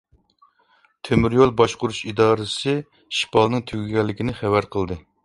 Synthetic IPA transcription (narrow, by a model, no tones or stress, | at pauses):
t̪ʰømyɾjolˠbɑʃqʊɾuʃid̪ɑːɾɨsɨ | ʃi̥pʰɑlˠnɨŋt̪ʰyɡʲyɡʲɛlːɪkʲinɪχævæɾqʰəlˠd̪ɨ